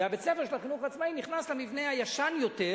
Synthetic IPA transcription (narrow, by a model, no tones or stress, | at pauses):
abet͡sefeʃelaχinuχat͡smainiχnaslemivne̞hajaʃanjo̞te